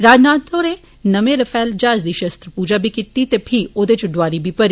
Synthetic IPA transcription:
ɾaːd͡ʒnaːt̪oːɾeː | nəmẽɾɐfʰɛːld͡ʒaːzd̪iːʃɐst̪ɾəpuːd͡ʒaːbʱikit̪ːit̪epʰioːd̪et͡ʃɖʊʋaːɾibʱipɐɾi

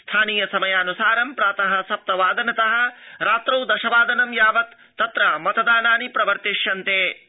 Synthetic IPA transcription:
st̪ʰaːniːjɐsɐmɐjaːnusaːɾɐmpɾaːt̪ɐɦɐ̆sɐp̚t̪ɐʋaːd̪ɐnɐt̪ɐɦɐ̆ɾaːt̪ɾɐwd̪ɐʃɐʋaːd̪ɐnɐmjaːʋɐt̪ːɐt̪ɾaːmɐt̪ɐd̪aːnaːnipɾɐʋɐɾt̪iʂjɐnt̪eː

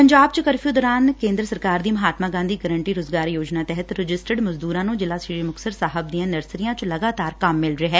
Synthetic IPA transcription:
pəɲd͡ʒaːb̚t͡ʃkəɾfʰijuːd̪ɔːɾaːnkẽːnd̪ɾəsəɾkaːɾd̪iːməɦaːt̪maːɡãːnd̪iːɡəɾəɳʈiːɾʊzɡaːɾjoːd͡ʒnaːt̪ɛɦət̪ɾɪd͡ʒɪsʈəɖməzd̪uːɾãːnũːd͡ʒɪlaːsiməksəɾsaːɦəb̚d̪ijãːnəɾsɾijãːt͡ʃləɡaːt̪aːɾkəmːɪlɾeɦɛː

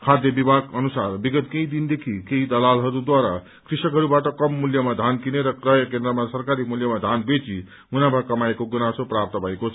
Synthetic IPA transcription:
kʰad̪ʱjʌbibʱaɡʌnusarbiɡʌt̪kej̃d̪ind̪ekʰikeid̪ʌlalɦʌɾud̪waɾa | krisʌkɦʌɾubaʈʌkʌmːuljʌmad̪ʱankineɾʌkrʌjʌkend̪ɾʌmasʌrkaɾimuljʌmad̪ʱanbet͡si | munabʱakʌmaekoɡunasoprap̚t̪ʌbʱʌekot͡sʰʌ

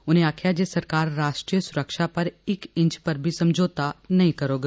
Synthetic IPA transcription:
ʊnɦẽaːkʰjad͡ʒeːsɐɾkaːɾːaːʃʈɾijəsʊɾəkʃapɐɾɪkɪ̃ɲt͡ʃpɐɾbʱisɐ̃md͡ʒʱoːt̪anɐɦĩkɐɾoːɡ

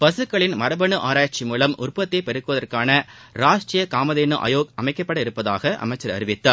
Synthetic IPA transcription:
pɐsɯkːɐɭɪnmɐɾɐbɐɳɯʔaːɾaːt͡ʃːimuːlɐmʊ̰rpɐt̪ːeɪpɛɾɯkːɯʋɐðɐrkaːnɐɾaːʂʈɾijɐkaːmɐðeːnɯʔɐ̰joːkɐmɐɪkːɐpːɐɽɐɪɾɯpːɐða̰ːɣɐʔɐ̰mɐɪt͡ʃːɐɾɐ̰ɾɪʋɪt̪ːaːɾ

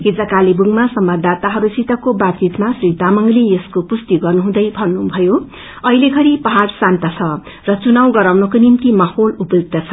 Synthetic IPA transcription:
ɦed͡zakalibuŋmasʌmbad̪at̪aɦʌɾusit̪ʌkobatt͡sit̪masrit̪amʌŋlejeskopust̪iɡʌrnuɦũd̪ʌjbʱʌnːubʱʌjo | ʌileɡʱʌɾipʌɦarsant̪ʌt͡sʰʌ | rʌt͡sunawɡʌɾawnʌkonimt̪imaholupjuɡ̚t̪ʌt͡sʰʌ

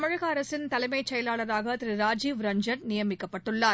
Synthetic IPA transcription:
ɐmɐɻɐɣɐɐɾɐsɪnt̪ɐlɐɪmɐɪt͡ʃːɐjɐlaːɭɐɾaːɣɐt̪ɪɾɯɾaːd͡ʒiːʋɾɐɲd͡ʒɐnnɪjɐmɪkːɐpːɐʈːɯɭːaː

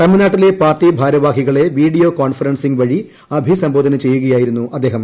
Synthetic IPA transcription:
t̪ɐmːinaːʈːilepaːrʈːibʱaːɾɐʋaːɦiɣɐɭe̞ʋiːɖijo̞ːkoːɳfɐɾɐnsiŋɡʋɐɻi | ɐbʱisɐmboːd̪ʱɐnɐmt͡ɕe̞jːuɣɐjaːjiɾunːuʔɐd̪ːeːɦɐm

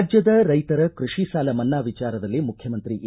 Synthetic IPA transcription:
d͡ʒjɐd̪ɐɾɐjt̪ɐɾɐkɾuʂiʃaːlɐmɐnːaːʋit͡ʃaːɾɐd̪ɐlːimukʰjɐmɐnt̪ɾiʔ

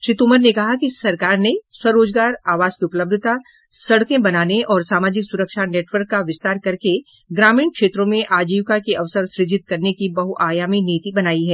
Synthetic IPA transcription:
ʃɾɪt̪uməɾnekɐɦakisɐɾkaːɾneswɐɾoːd͡ʒɡaːɾaːʋaːzkiʊpləb̚d̪ʱət̪a | sɐɽkẽbɐnaːneʔɔːɾsaːmaːd͡ʒɪksʊɾəkʃaneːʈʋəɾkːaʋɪst̪aːɾkɐɾke | ɡɾaːmĩːɳkʃeːt̪ɾõmẽʔaːd͡ʒiːʋkakeʔɐʋsəɾsɾɪd͡ʒɪt̪̚kɐɾnekibɐɦuaːjaːminiːt̪ibɐnaːiɦɛː

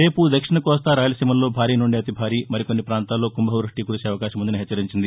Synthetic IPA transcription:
ɾe̞ːpud̪ɐkʂiɳɐkɔːst̪ɐɾaːjɐlɐsimɐlːo̞ːbʱaːɾiːnuɳɖiɐt̪ibʱaːɾiːmɐɾikonːipɾaːnt̪aːlːo̞ːkumbɐɦɐʋɾuʂʈiːkuɾuseɐʋɐkaːʃɐmund̪ɐniɦet͡ʃːɐɾiɲt͡ʃind̪i

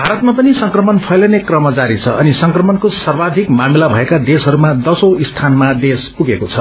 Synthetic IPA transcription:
bʱaɾʌt̪̚mapʌnisʌŋkrʌmʌnpʰʌjlʌnekrʌmʌd͡zaɾit͡sʰʌʌnisʌŋkrʌmʌnkosʌrbad̪ʱikmamilabʱʌekad̪esɦʌɾumad̪ʌsoist̪ʰanmad̪espuɡekot͡sʰʌ

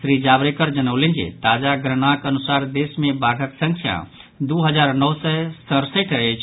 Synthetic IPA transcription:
sɾid͡ʒabɾekəɾd͡ʒənəwlend͡ʒḛt̪ad͡ʒaɡɾənakənusaɾd̪esmebaɾʱəksə̃ŋkʰja̰ | d̪uɦəd͡ʒaɾnɔsɛsə̃ɾsəʈet͡ʃʰ

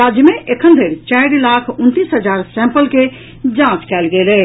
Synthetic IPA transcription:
ɾad͡ʒjəmeʔekʰənd̪ʱəɾt͡ʃaɪɾlakʰunt̪isɦəd͡ʒaɾsɛ̃mpəlke | d͡ʒãt͡ʃkɛlɡelɛ

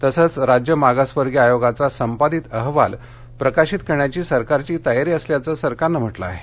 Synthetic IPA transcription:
t̪əsəːt͡sɾad͡ʑjəmaɡasʋəɾɡjiajoɡat͡sasəmpad̪iːt̪əɦʋa̰l | pɾəkaɕit̪kəɾɳjat͡ɕiːsəɾkaɾt͡ɕiːt̪əjaɾiːəsljat͡səːsəɾkaɾnəm̤əʈlaːɦe

